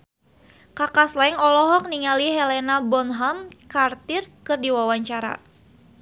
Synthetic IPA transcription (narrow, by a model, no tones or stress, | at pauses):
kakaslɛŋɔlɔɦɔk̚niŋaliɦɛlɛnabɔnɦamkart̪ɪrkɨrdiwawaɲt͡ʃaɾa̰